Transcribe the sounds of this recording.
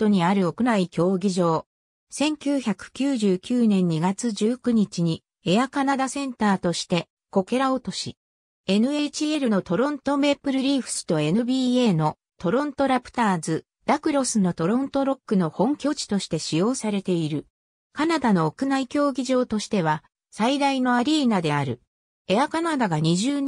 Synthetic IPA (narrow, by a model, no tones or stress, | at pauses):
t̪o̞ɲ̟iaɾɯ̟o̞kɯ̟naikʲo̞ːɡʲiʑo̞ː | sẽ̞ŋkʲɨːçakɯ̟̥kʲɨːʑɨːkʲɨːnẽ̞ɲ̟ːiɡat͡sɨd͡ʑɨːkɯ̟ɲ̟it͡ɕiɲ̟i | eakanad̪asẽ̞nt̪aːt̪o̞ɕi̥t̪e̞ | ko̞ke̞ɾao̞t̪o̞ɕi | e̞nɯ̟et͡ɕie̞ɾɯ̟no̞t̪o̞ɾõ̞nt̪o̞me̞pɯ̟ɾɯ̟ɾʲiːɸɯ̟̥sɨ̥t̪o̞e̞nɯ̟bʲiːe̞ːno̞ | t̪o̞ɾõ̞nt̪o̞ɾapɯ̟̥t̪aːzɨ | d̪akɯ̟ɾo̞sɨno̞t̪o̞ɾõ̞nt̪o̞ɾo̞kːɯ̟no̞hõ̞ŋkʲo̞ːt͡ɕi̥t̪o̞ɕi̥t̪e̞ɕijo̞ːsaɾe̞t̪e̞iɾɯ̟ | kanad̪ano̞ːkɯ̟naikʲo̞ːɡʲiʑo̞ːt̪o̞ɕi̥t̪e̞β̞a | said̪aino̞aɾʲiːnad̪e̞aɾɯ̟ | e̞akanad̪aɡaɲ̟iʑɨːn